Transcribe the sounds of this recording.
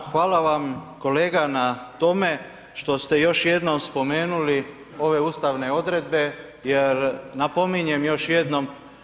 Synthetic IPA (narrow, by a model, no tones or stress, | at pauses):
xʋaːlaʋamko̞leːɡanat̪o̞me̞ | ʃt̪o̞st̪e̞jo̞ʃje̞d̪no̞mspo̞me̞ːnuli | o̞ʋe̞uːst̪aʋne̞o̞d̪ɾe̞d̪̚be̞ | jeɾnapo̞miɲemjo̞ʃjed̪no̞m